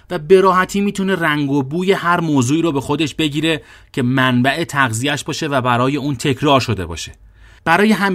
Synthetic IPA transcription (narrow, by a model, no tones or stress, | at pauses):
væbe̞ɾɒːɦæt̪ʰiːmiːt̪ʰune̞ræŋɡobuːje̞hæɾmoːzuːiːɾobe̞xo̞d̪e̞ʃb̥e̞ɟiːɾe̞ | cʰe̞mænbæʔe̞t̪ʰæɣzijæʃbɒːʃe̞væbæɾɒːje̞uːnt̪ʰe̞cʰɾɒːɾʃo̞d̪e̞̰bɒ̰ːʃe̞̥ | b̥æɾɒːje̞ɦæm